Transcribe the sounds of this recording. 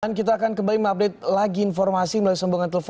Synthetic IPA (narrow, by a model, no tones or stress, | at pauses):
nkit̪̬aːkankəmbaliməŋap̚det̪̚laɡiːnfɔrmasimulausəmbuŋant̪eləf